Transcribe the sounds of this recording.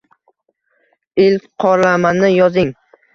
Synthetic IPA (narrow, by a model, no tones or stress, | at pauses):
ɪlqʰɒɾlamanɪjɒzɪŋ